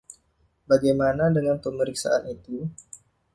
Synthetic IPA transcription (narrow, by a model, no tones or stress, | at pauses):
baɡajmanadəŋanpəməɾiksa̰anit̪u